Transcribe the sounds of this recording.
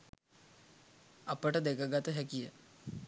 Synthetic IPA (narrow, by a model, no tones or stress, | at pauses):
apəʈəd̪ekəɡat̪əɦɛkijə